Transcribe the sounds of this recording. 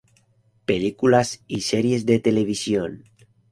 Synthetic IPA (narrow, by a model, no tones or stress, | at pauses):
pelikulasiseɾje̞zðe̞t̪eleβ̞isjon